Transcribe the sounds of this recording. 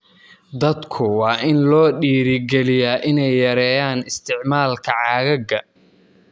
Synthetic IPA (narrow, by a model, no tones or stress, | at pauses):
d̪ɐd̪kʰʊwɑːʔɪnlɔːɖiːɾɪɡɛlɪjaːʔɪnɛjːɐɾɛːjaːnɪst̪ʰɪʕmaːlkʰɐʕɑːɣɐɡɐ